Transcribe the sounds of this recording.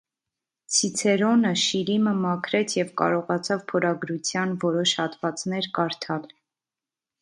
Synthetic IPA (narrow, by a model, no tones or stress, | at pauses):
t͡sʰit͡sʰɛɾɔnəʃiɾiməmɑkʰɾɛt͡sʰjɛvkɑ̰ɾɔʁɑt͡sʰɑvpʰɔɾɑɡɾut͡sʰjɑnvɔɾɔʃhɑt̪vɑt͡snɛɾkɑɾt̪ʰɑl